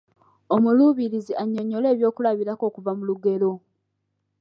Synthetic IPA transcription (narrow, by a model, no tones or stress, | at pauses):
o̞muluːβiɾiziʔaɲːo̞ɲːo̞le̞ːβjo̞ːkulaβiɾako̞ːkuvamuluɡe̞lo̞